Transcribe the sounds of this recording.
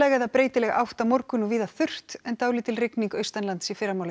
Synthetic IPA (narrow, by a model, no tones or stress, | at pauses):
lɛːɣaðapɾeːjt̪ɪlɛɣa̰wht̪amɔɾkʏnʏviːðaθʏr̥t̪ɛnt̪aːwlɪt̪ʰɪlrɪkniŋkœːɥst̪anlant̪sifɪːɾamawl